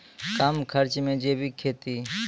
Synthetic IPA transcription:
kamkʰəɾt͡ʃmẽːd͡ʒeːbʱiːkʰeːt̪iː

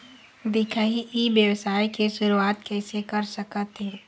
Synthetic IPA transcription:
d̪ɪkʰəiʔibjəwsaːikeʃʊɾuaːt̪kɛːsekəɾsəkət̪ɦẽː

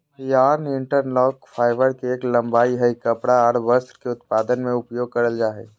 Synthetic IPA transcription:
jaːɾnɪɳʈəɾnlɔːkfʰaːɪʋəɾkeːklɐ̃mbaːiɦəikɐpɽaɔːɽbəst̪ɾkeʊt̪̚paːd̪ənmẽʊpjoːɡ̚kɐɾəld͡ʒaːɦeː

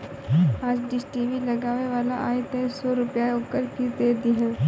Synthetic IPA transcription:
aːd͡ʒɖisʈiːʋiləɡaːʋeʋaːlaʔaːɪt̪esɔːɾʊpjaoːkəɾkid̪eːd̪iɦɛ̃ː

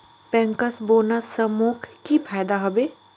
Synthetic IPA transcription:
pɛ̃ŋkəsboːnasəmuːkʰkipʰaːjd̪aɦɐbeː

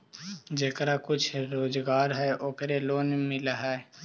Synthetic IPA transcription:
d͡ʒeːkɾakʊt͡ʃʰɾoːzɡaːɾɦɛʔoːkəɾeloːnmɪlaɦɛ

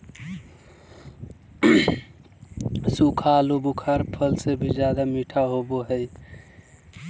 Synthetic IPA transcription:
sukʰaːlobukʰəɾpʰəlsebʱid͡ʒjaːd̪amiʈʰaɦoboɦəj

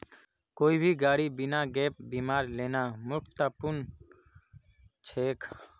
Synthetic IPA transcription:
koːiːbʱiːɡaːɽiːbɪnãːɡeːp̚biːmaːɾleːnaːmʊkt̪aːpʊn | t͡ʃʰeːkʰ

